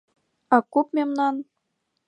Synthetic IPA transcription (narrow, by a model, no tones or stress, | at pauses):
ɑkupmʲemnɑn